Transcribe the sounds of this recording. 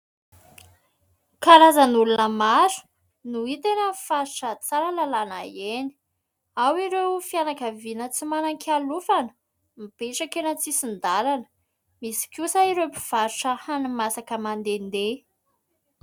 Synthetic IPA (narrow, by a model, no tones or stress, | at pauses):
kaɾazənulunəmaɾu̥ | nuit̪enəfaɾuʈ͡ʂət͡saɾəlalana̰jeni̥ | awiɾewfianakavinət͡simanaŋkʰʲalufanə̥ | mipeʈ͡ʂakenət͡sisind̪aɾanə̥ | misi̥kʲusaiɾewpi̥v̥aɾuʈ͡ʂəhanimasakəmand̪end̪e